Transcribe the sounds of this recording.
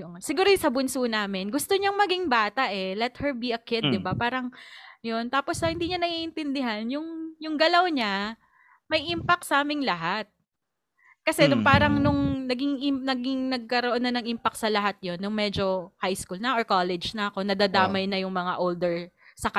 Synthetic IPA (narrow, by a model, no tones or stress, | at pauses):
sɪɡuːɾojsɐbʊnsuːnaːmɪnɡʊst̪oɲaŋmɐɡɪŋbaːt̪ɐʔɛlɛt̪̚hɛɹbiɐkɪd̪̚ːɪbapaːɾɐŋjont̪aːposɐhɪnd̪iːɲɐnɐɡiʔɪnt̪ɪnd̪ɪɦanjʊŋjʊŋɡɐlawɲa | mɐjʔimpɐk̚t̪sɐʔaːmɪŋlɐɦat̪̚ | kɐsɛnʊŋpaːɾɐŋnʊŋnɐɡɪŋʔɪnɐɡɪŋnɐɡ̚kɐɾoʔo̞nːɐnɐŋʔimpɐk̚t̪sɐlɐɦat̪̚jo̞nːʊŋmɛːd͡ʒo̞hajskuːlnɐʔoɹkoːlɛd͡ʒnɐʔɐko̞nɐd̪aːd̪aːmɐjnɐjʊŋmɐŋaʔold̪ɛɹsɐkɐ